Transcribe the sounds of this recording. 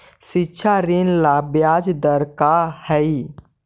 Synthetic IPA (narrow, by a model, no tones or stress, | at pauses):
ʃitːʃʰaɾinlabjad͡ʒd̪əɾkahɛi